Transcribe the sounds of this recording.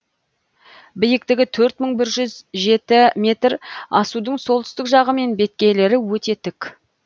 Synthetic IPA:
bɪjɪkt̪ɪɡʲɪt̪ʰɵɾt̪məɴbɪɾʒʏzʒe̞t̪ɪmʲe̞t̪ɾɑsud̪əɴso̞lˠt̪ʏ̥st̪ɪkʒɑʁəme̞nbe̞t̪̚kʲe̞jle̞ɾɪwɵt̪e̞t̪ʰɪk

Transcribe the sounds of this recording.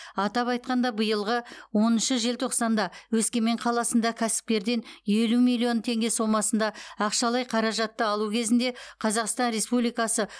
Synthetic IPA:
ɑt̪ɑpɑjt̪̚qɑnd̪ɑbəjəlˠʁəwo̞nənʃəʒe̞lt̪ʰo̞qsɑnd̪ɑwɵskʲe̞me̞ɴqʰɑlˠɑsənd̪ɑkʲʰæsɪ̥p̚kʲe̞ɾd̪e̞nje̞lumijlʲˠio̞nt̪ʰe̞ŋɡʲe̞so̞mɑsənd̪ɑɑqʃɑlˠɑjqʰɑɾɑʒɑt̪ːəɑlˠukʲʰe̞zɪnd̪e̞qʰɑzɑqst̪ɑnɾe̞spublijkɑsə

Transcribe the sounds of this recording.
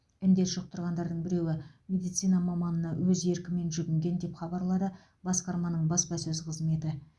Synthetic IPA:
ɪmd̪e̞t̪ʒoq̚t̪ʰʊɾʁɑnd̪ɑɾd̪əɴbɪɾe̞wɪmʲe̞d̪ijt̪sijnɑmɑmɑnənɑwɵze̞ɾkʲɪme̞nʒʏɡʲɪŋɡʲe̞nd̪e̞pχɑbɑɾlˠɑd̪ə | bɑsqɑɾmɑnəɴbɑspɑsɵzqʰəzme̞t̪ɪ

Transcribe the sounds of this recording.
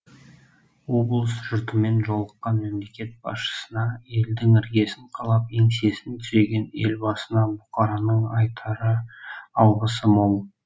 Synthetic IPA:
wo̞blˠəsʒ̥ʊɾt̪əme̞nʒolˠəqːɑnme̞mle̞kʲe̞t̪̚b̥ɑ̰sʃə̥sənɑe̞ld̪ɪŋɪɾɡʲe̞sɪɴqʰɑlˠɑpeŋse̞sɪnt̪ʰʏze̞ɡʲe̞ne̞lbɑsənɑbʊqɑɾɑnəɴɑjt̪ʰɑɾəɑwʁəsəmoɴ

